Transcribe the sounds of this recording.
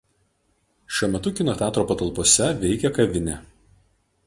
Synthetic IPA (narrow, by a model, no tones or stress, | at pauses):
ʃʲuɔmʲɛt̪ʊkʲɪnoːt̪ʲæːt̪ɾoːpɐt̪ɐlˠpoɔsʲɛʋʲɛɪkʲɛkɐʋʲɪnʲɛˑ